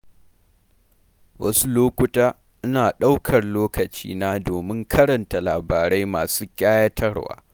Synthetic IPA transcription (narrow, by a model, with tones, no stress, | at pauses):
wɐ˦su˦loː˦kʷʊ˦taː˦ | ʔɪ˦naː˨ɗa˦wkʰɐ˨rloː˦kɐ˨t͡ʃḭː˦naː˦doː˨mɪ˦ŋkʰɐ˦ɾɐ˨nta˨laː˨baː˨ɾa˦jmaː˨suː˦kʲʼaː˦jaː˦tʰɐ˦ɽwa̰ː˦